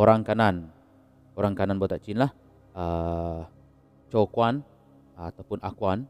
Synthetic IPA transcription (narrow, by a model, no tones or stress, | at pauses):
oɾaŋkanan | oɾaŋkananbuat̪aʔt͡ʃɪnlah | ə | t͡ʃokwan | at̪awpʊnakwan